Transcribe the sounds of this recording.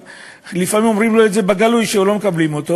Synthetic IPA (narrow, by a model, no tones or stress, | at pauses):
lifamimo̞mʁimloetd̪zebaɡalujʃeulo̞mekablimo̞t̪o̞